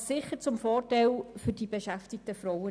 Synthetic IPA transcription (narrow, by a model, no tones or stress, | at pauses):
sɪχəɾt͡sʊmfɔːrtaɪlfʏɾd̥iːbeʃæftɪk̚təfɾɔwə